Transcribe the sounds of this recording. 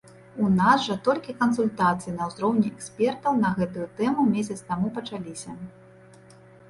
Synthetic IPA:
unasʐɐt̪ɔlʲkʲikɐns̬ulʲt̪at̪sɨjinɐwzɾɔwnʲɛɛksʲpʲɛrt̪ɐwnɐɣɛt̪ujut̪ɛmumʲesʲɐt̪st̪amupɐt͡ʂalʲisʲɐ

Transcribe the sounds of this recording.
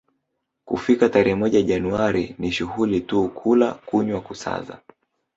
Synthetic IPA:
kufikataɾɛɛmɔʄaʄanuaɾiniʃuhulituːkʰulakuɲwakusa̰za̰

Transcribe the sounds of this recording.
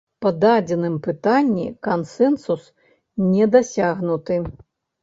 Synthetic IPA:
pɐd̪ad͡zʲɛnɨmpɨt̪anʲːḭkansɛnsus | nʲɛd̪asʲaɣnut̪ɨ

